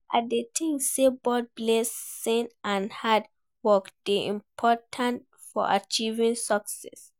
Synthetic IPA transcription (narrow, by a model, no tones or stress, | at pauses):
ʔadetʰĩŋsebɔd̚blesːĩnʔãnhad̚ | wɔkd̥iḭ̃mpʰɔtʰãnt | fɔ̰ʔa̰t͡ʃivĩŋsɔksɛ̰s